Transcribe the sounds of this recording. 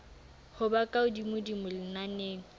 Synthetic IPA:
hʊbakʼaʊdimʊdimʊlɪnaneːŋ̩

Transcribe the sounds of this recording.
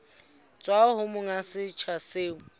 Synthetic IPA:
t͡sʼwaɦʊmʊŋasɪt͡ʃʰaseːŋʊ

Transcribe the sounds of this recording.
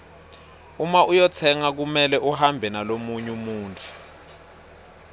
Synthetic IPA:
umaʔujɔtʰɛŋak̬umɛlɛʔuhambʱɛnalomuɲumuːntʰʼu̥

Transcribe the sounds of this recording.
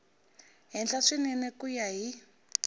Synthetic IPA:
ɦɛnd͡ɮaʂininɛkujaɦi

